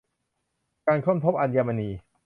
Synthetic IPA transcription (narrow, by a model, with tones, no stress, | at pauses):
kaː˧nkʰɔ˥˩˨mpʰo˦˥p̚ʔa˧njaː˧ma˧niː˧